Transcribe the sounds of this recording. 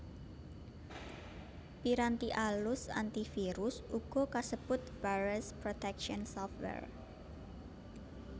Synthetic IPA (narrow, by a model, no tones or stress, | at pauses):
piɾant̪iʔalʊsa̰nt̪ifiɾʊsuɡ̥ɔ̤kasəb̥ʊt̪̚b̥aɹɛspɾot̪ɛkʃɔnsɔfwɛ̰r